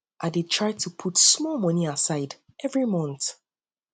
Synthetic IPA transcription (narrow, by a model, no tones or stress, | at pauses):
ʔadetʰɹ̥aɪtʰupʰutsmɔlˠmʌniasaɪd | ʔɛvɹimɔ̃nθ